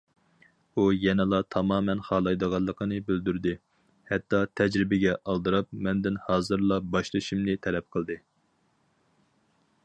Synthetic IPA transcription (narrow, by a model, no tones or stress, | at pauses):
ujɛnɨlˠɑt̪ʰɑmɑːmɛnχɑːlˠɑjd̪əʁɑlˠːəqʰənɨbøld̪yɾd̪ɨ | hɛt̪ʰːɑt̪ʰɛd͡ʒɾɪbɪɡʲɛʔɑlˠd̪ɨɾɑp̚mɛnd̪ɪnhɑːzɨɾlˠɑbɑʃlˠɨʃimnɨt̪ʰɛlɛp̚qʰəlˠd̪ɨ